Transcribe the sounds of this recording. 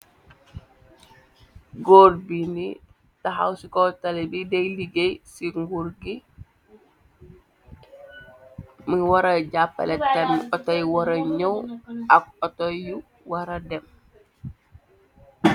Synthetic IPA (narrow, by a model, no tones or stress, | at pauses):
ɡoɾbini | taɦa̰wsikɔtalebideliɡejsiŋɡuɾɡi | miwaɾaɟapːa̰let̚kanɔtajwoɾɐɲowakotoju | waɾadɛm